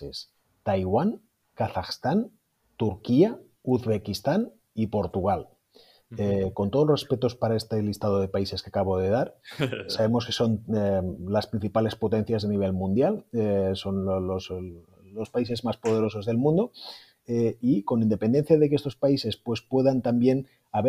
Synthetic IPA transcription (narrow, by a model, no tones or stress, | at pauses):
e̞s | t̪ajɣwan | kaθaxst̪an | t̪uɾkia | uðβe̞kist̪an | ipo̞ɾt̪uɣal | eko̞nt̪o̞ð̞olrespe̞t̪o̞spaɾae̞st̪elist̪að̞o̞ð̞e̞paise̞skeakaβ̞o̞ðe̞ðaɾsaβe̞mo̞ske̞so̞nelaspɾin̟θipale̞spo̞t̪e̞n̟θjazðaniβ̞e̞lmũnd̪jaleso̞nlos | lo̞spaise̞zmaspo̞ð̞e̞ɾo̞so̞zðe̞lmũnd̪o̞ | eiko̞nind̪e̞pe̞nd̪e̞n̟θjaðekeest̪o̞spaise̞spwe̞spwe̞ðant̪ambje̞n | aβe